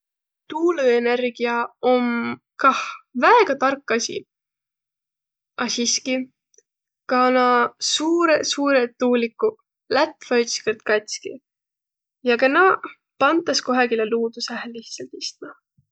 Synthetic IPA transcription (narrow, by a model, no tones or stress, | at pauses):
t̪uːluenerɡ̥iɑom | kɑhvæeɡ̥ɑt̪ɑrkːɑsʲḭ | ɑsiski | kɑnɑsuːɾesuːɾet̪ːuːlikːu | læt̪ːˑfɑjt̪skert̪kɑt̪ʲskḭ | jɑkɑnɑ | pɑnt̪ːˑɑsko̞ɦɑɡileluːd̪̥usæɦælːiht̪sɑlt̪ist̪mɑ